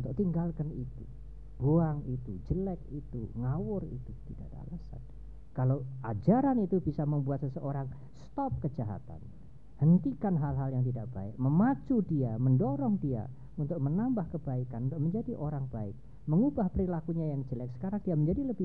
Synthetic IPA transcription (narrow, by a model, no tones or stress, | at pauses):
unt̪ʊk̚t̪iŋɡalkanit̪u | b̥uaŋit̪ud͡ʒəlɛk̚it̪ṵŋawʊrḭt̪ut̪ida̰ʔda̰lasa̰n | kalawʔad͡ʒaɾanit̪ubisaməmbuat̪səsəʔoɾaŋ | st̪ɔp̚kəd͡ʒaɦa̰t̪a̰n | hənt̪ikanɦalɦaljaŋt̪idaʔ̚b̥a̰ɪ̰k̚məmat͡ʃudiaməndoɾɔŋdia̰ | unt̪ʊk̚mənambahkəbaikanməɲd͡ʒadiʔoɾaŋbaɪ̰k̚ | məŋubahpəɾilakuɲajaŋd͡ʒəlɛk̚sə̥kaɾaŋdiaməɲd͡ʒadiləbɪ